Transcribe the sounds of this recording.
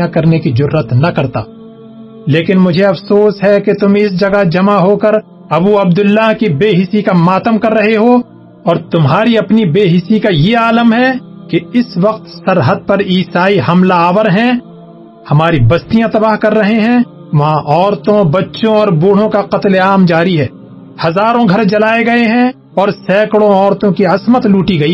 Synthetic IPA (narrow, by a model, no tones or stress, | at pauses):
ãkɐɾnekid͡ʒʊɾːət̪nɐkɐɾt̪a̰ː | leːkɪnmʊd͡ʒʱeɐfsoːsɦɛket̪ʊmɪs̬d͡ʒɐɡad͡ʒɐmaɦoːkəɾ | ɐbuɐb̚d̪ʊlːaɦkibeːɦɪsikamaːt̪əmkɐɾːɐɦeɦo | ɔːɾt̪ʊmɦaːɾiɐpnibeːɦɪsikajeaːləmɦɛ | keɪsʋɐqt̪sɐɾɦəd̪̚pɐɾiːsaːiɦɐmlaaːʋəɾɦɛ̃ | hɐmaːɾibɐst̪ijãt̪ɐbaːɦkɐɾːɐɦeɦɛ̃ | ʋɐɦãʔɔːɾt̪õbɐtːʃõɔːɾbuːɽ̤õkaqɐt̪leaːmd͡ʒaːɾiɦɛː | hɐzaːɾõɡʱɐɾd͡ʒɐlaːeɡɐeɦɛ̃ | ɔːɾsɛːkɽõɔːɾt̪õkiɐsmət̪luːʈiɡɐiː